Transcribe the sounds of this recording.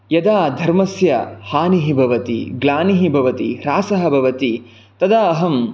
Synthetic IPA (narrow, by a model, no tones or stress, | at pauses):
jɐd̪aːd̪ʱɐɾmɐsjɐhaːniɦibʱɐʋɐt̪ḭɡlaːniɦibʱɐʋɐt̪ḭɾaːsɐɦɐ̆bʱɐʋɐt̪i | t̪ɐd̪aɐɦɐm